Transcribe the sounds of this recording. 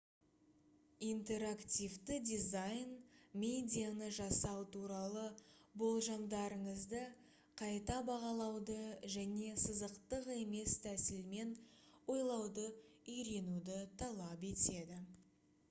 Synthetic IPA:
ijnt̪e̞ɾakt̪ʲijvt̪ɪd̪izajnmʲe̞d̪ʲijanəʒɑsɑwt̪ʰuɾɑlˠəbo̞lˠʒɑmd̪ɑɾəɴəzd̪ə | qʰɑjt̪ɑbɑʁɑlˠɑwd̪əʒæne̞səzəqt̪əqe̞me̞st̪ʰæsɪlme̞nwo̞jlˠɑwd̪əʏjɾe̞nud̪ɪt̪ʰɑlˠɑp̬e̞t̪e̞d̪ɪ

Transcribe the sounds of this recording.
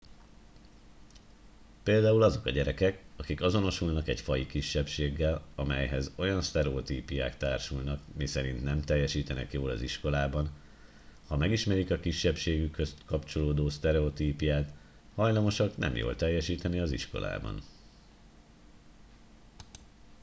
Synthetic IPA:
peːld̪aːulɒzo̞kɒɟɛɾɛkɛkɒkikɒzo̞no̞ʃulnɒkɛɟfɒjikiʃːɛpʃeːɡːɛlɒmɛjɦɛzo̞jɒnst̪ɛɾɛot̪iːpijaːkt̪aːrʃulnɒkmisɛɾint̪nɛmt̪ɛjːɛʃiːt̪ɛnɛ̰kjoːlɒ̰ziʃko̞laːbɒn | hɒmɛɡiʃmɛɾikɒkiʃːɛpʃeːɡykhøst̪kɒpt͡ʃo̞loːd̪oːst̪ɛɾɛot̪iːpijaːt̪ | hɒjlɒmo̞ʃɒknɛ̰mjo̰ːlt̪ɛjːɛʃiːt̪ɛniɒziʃko̞̰lʔa̰ːbɒ̰n

